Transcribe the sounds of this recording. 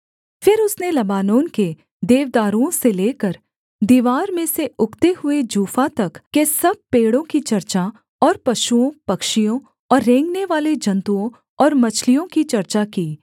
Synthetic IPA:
fɪɾʊsnelɐbaːnoːnke | d̪eːʋd̪aːɾũõseleːkəɾ | d̪iːʋaːɾmẽseʊkʰt̪eɦʊed͡ʒuːfat̪ɐkkesɐb̚peːɽõkit͡ʃɐɾt͡ʃa | ɔːɾpɐʃuõpɐkʃijõ | ɔːɾːẽːŋɡneʋaːled͡ʒɐ̃nt̪uõ | ɔːɾmɐt͡ʃʰlijõkit͡ʃɐɾt͡ʃakiː

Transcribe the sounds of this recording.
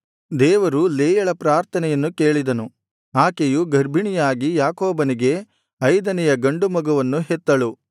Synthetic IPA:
d̪ɛːʋɐɾuleːjɐɭɐpɾaːɾt̪ʰɐnɛjɐnːuke̞ːɭid̪ɐnu | aːkejuɡɐɾbʱiɳijaːɡijaːkoːbɐniɡe̞ | ɐjd̪ɐnɛjɐɡɐɳɖumɐɡɐʋɐnːuɦet̪ːɐɭu

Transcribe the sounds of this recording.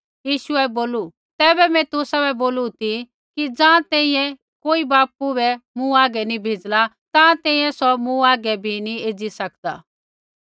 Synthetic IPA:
jiːʃuɛboːlu | t̪ɛːbɛmɛ̃t̪ʊsaβɛboːlut̪i | kid͡zãːt̪ɛ̃ːĩjɛ̃ | koːibaːp̚ubɛmũaːɡɛnĩbʱeːd͡zla | t̪ãːt̪ɛ̃ːĩjɛ̃sɔmũaːɡɛbʱinieːd͡zisɐkd̪a̰ː

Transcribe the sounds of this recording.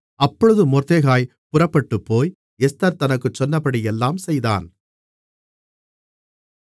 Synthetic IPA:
ɐpːɔɻɯðɯmɔɾt̪eːɣaːj | pʊrɐpːɐʈːɯpːoːj | ɛst̪ɐɾt̪ɐnɐkːɯt͡ʃːɔnːɐpːɐɽɪjɛlːaːmsɛjða̰ːn

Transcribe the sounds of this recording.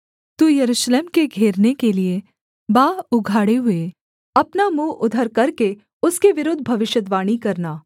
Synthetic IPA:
t̪ujɐɾuːʃleːmkeɡʱeːɾnekelie | baːʊɡʱaːɽeɦʊe | ɐpnamũːʔʊd̪ʱəɾkɐɾke | ʊskeʋɪɾoːd̪ʱbʱɐʋɪʃjəd̪ʋaːɽ̃ikɐɾnaː

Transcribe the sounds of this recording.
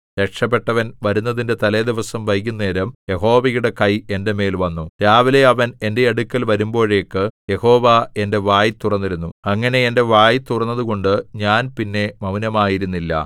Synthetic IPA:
ɾekʂɐp̬ːe̞ʈːɐʋɐnʋɐɾunːɐðinde̞t̪ɐled̪iʋɐsɐmʋɐjk̬ʲːunːe̞ːɾɐmje̞ho̞ːʋɐjuɽe̞kɐje̞nde̞me̞ːlʋɐnːut̪aːʋile̞ɐʋɐne̞nde̞ɐɽukʲːɐlʋɐɾumbo̞ːɻe̞ːkːɨje̞ho̞ːʋae̞nde̞ʋaːjit̪urɐnːiɾunːuɐŋːɐne̞ende̞ʋaːjit̪urɐnːɐðuko̞ɳɖɨɲaːnpinːe̞mɐʋnɐmaːjiɾunːilːɐ̰

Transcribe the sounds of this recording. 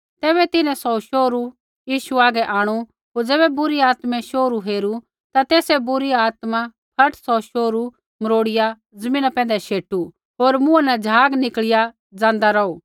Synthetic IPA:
t̪ɛːβɛt̪ɪnɛ̃sɔʃoːɾu | jiːʃuaːɡɛʔaːɽ̃u | ɦoːɾd͡zɛːbɛbʊɾiaːt̪mɛ̃ʃoːɾuɦeːɾu | t̪at̪eːsɛbʊɾiaːt̪ma | kʰɐʈʰsɔʃoːɾu | mɐɾoːɽɪja | zɐmĩːnapɛ̃ːnd̪ɛʃeːʈu | ɦoːɾmʊ̃anɛd͡zʱaːɡnɪkɭɪja | d͡zãːnd̪aɾɐuː

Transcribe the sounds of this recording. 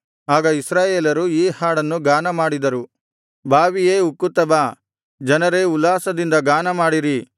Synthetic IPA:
aːɡɐisɾaːjeːlɐɾuiːhaːɽɐnːuɡaːnɐmaːɽid̪ɐɾu | bʱaːʋijeːukːut̪ːɐbaː | d͡ʒɐnɐɾe̞ulːaːsɐd̪ind̪ɐɡaːnɐmaːɽiɾi

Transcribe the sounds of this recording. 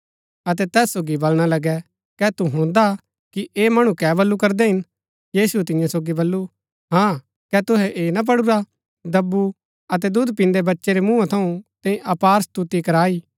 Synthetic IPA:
ɐt̪̬ɛt̪ɛːsːoːɡibɐlɽ̃alɐɡɛ | kɛt̪uɦõːnd̪a | kiʔeːmɐɽ̃ũkɛːbɐlːukɐɾd̪ɛɦɪn | jiːsuɛt̪ɪ̃jãsoːɡibɐlːu | ɦãː | kɛt̪ʊɦɛʔeːnap̬ɐɽuɾa | d̪ɐbːu | ɐt̪̬ɛd̪ud̪pɪ̃nd̪ebɐtːʃeɾemũãt̪ʰɐũt̪ɛ̃ĩʔɐpaːɾst̪ut̪ikɐɾaːiː

